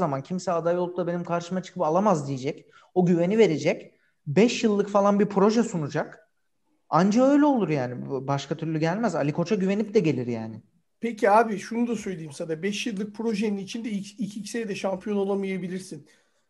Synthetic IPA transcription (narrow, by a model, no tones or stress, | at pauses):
zamancʰimsɛad̪ajolˠuk̚t̪abe̞nimkʰaɾʃɯmat͡ʃʰɯ̥kʰɯpalˠamazd̪ijed͡ʒɛc | oɟyve̞nive̞ɾe̞d͡ʒɛc | bɛʃjɯlˠːɯkfalˠanbipʰɾo̞ʒɛsunud͡ʒak | and͡ʒaø̞jlʲɛo̞lˠuɾjaːnɪbaʃkʰat̪ʰyɾlʲyɟælʲmæza̰lʲikʰo̞t͡ʃʰaɟyve̞nip̚d̪ɛɟe̞lʲiɾjaːnɪ | pʰeciaːbiʃunud̪asø̞jlʲejimsad̪abɛʃjɯlˠːɯk̚pʰɾo̞ʒeninit͡ʃʰind̪ɛiicʰicsejd̪ɛʃampʰijo̞no̞lˠamajabilʲiɾsin